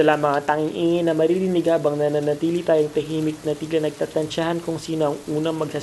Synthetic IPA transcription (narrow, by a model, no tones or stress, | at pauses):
ɐlamɐŋat̪aŋɪŋʔiːŋɪnɐmɐɾiɾɪnɪɡaːbɐŋnɐnɐnɐt̪iːlit̪aːjoŋt̪ɐɦimɪk̚nɐt̪iːɡlɐnɐɡ̚t̪aːt̪ɐnt͡ʃahɐnkʊŋsiːnoɐŋʔuːnɐŋmɐɡ̚sa